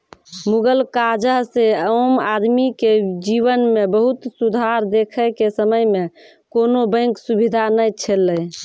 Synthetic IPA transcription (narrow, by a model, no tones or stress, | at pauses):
muɡəlkad͡ʒəɦseəmad̪miked͡ʒiʋənmebəɦut̪sud̪ʱaɾd̪ekʰəkesəməjme | konobə̃ɪ̃ŋksubid̪ʱanəjt͡ʃʰelːəj